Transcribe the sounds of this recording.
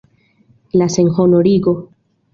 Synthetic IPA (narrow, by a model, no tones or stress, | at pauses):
laseŋxonoɾiɡo